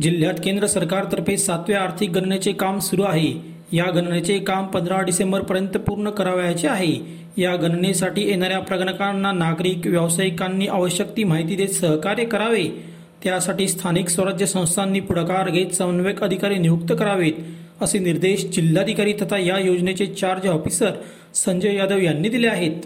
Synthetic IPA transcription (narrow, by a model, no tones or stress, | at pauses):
d͡ʑil̤ːjat̪kend̪ɾəsəɾkaɾt̪əɾpesat̪ʋjeaɾt̪ʰik̚ɡʱəɳɳet͡sekamsuɾuːaɦe | jaɡənɳet͡sekampənd̪ʱɾaɖisẽmbəɾpəɾjənt̪əpuɾɳəkəɾaʋjat͡seaɦe | jaɡʱənɳesaʈiːjenaɾjapɾəɡɳəkanːanaɡɾiːkʋjəʋsajkanːiːʔaʋəɕjəkt̪iːm̤aɦit̪id̪et̪səɦkaɾjəkəɾaʋe | t̪jasaʈiːst̪ʰaniksʋəɾad͡ʑʱjəsə̃w̃st̪ʰanːiːpuɽkaɾɡʱet̪səʋnʋekəd̪ʱikaɾiːnijuk̚t̪əkəɾaʋet̪ | əseniɾd̪eɕd͡ʑil̤ːad̪ʱikaɾiːt̪ʰət̪ajajod͡znet͡ɕet͡ɕaɾd͡ʑʋɔfisəɾ | səɲd͡ʑəʋjad̪əʋjanːiːd̪ileaɦet̪